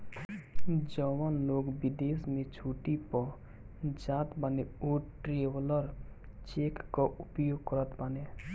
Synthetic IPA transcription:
d͡ʒəwanloːɡbid̪eːsmẽt͡ʃʰuːʈipɔ | d͡ʒaːt̪baneoːɾʈɾeʋləɾ | t͡ʃekːaʊpjoːɡ̚kəɾət̪bane

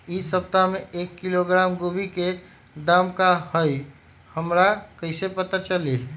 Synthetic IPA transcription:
isəb̚t̪ameʔekːiloɡɾamɡobʱike | d̪amkahəj | həmɾakəɪsepət̪at͡ʃəli

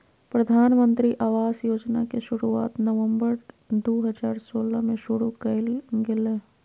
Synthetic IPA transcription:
pɾəd̪ʱaːnmə̃nt̪ɾiʔaːʋaːzjoːd͡ʒnakeʃʊɾua̰ːt̪nəʋə̃mbəɾ | d̪oːɦəd͡ʒaːɾsoːlamẽʃʊɽukəɪlɡɪle

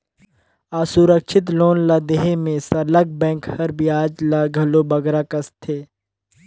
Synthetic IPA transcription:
aːsuɾəkʃɪt̪̬loːnlaːd̪eɦemẽsɐɾləɡ̚bɛ̃ːŋkhɐɾbʱiaːd͡ʒlaɡʱɐlobɐɡɾakɐst̪ʰeː

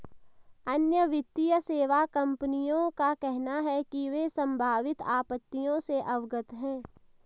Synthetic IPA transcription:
ənjəʋɪt̪ːijəseːʋakɐ̃mpənijõkakɛɦnaɦɛkiʋesə̃mbʱaːʋɪt̪aːpət̪ːijõseʔɐʋɡət̪ɦɛ̃ː

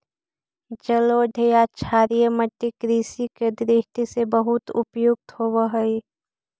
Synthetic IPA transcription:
d͡ʒəloɖʱejat͡ʃʰaːɾijəməʈːikɾiːsiked̪ɾɪɦt̪isebəɦʊt̪ʊpjʊk̚t̪howəɦəi

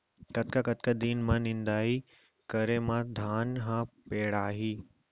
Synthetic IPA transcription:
kɐt̪kakɐt̪kad̪iːnmãnɪ̃nd̪aːi | kɐɾemãd̪ʱaːnɦãpeːɽaːɦiː

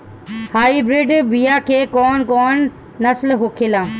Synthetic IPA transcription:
haːibɾiɖbijaːkʰeːkɔːnkɔːnː | ɐslɦokʰelãː

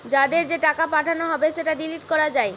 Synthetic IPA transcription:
d͡ʑad̪eɾd͡ʑeʈakapaʈʰanoɦɔbeʃeʈaɖiliʈkɔɾad͡ʑae

